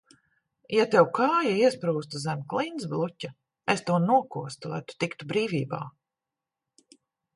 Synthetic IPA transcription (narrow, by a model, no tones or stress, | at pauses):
jat̪ewkʰaːjaiɛspɾuːst̪uzɛmklˠinsblˠucʲa | est̪uɔnuɔkuɔst̪ulˠa̰jt̪u̥t̪ikt̪ubɾiːvʲiːba̰ː